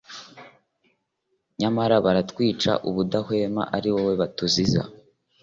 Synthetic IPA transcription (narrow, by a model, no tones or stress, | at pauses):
ɲamaɾaβaɾatkwiːt͡ʃa̰ʔuβudahwe̞ːma̰ʔaɾiwowe̞βatuziza̰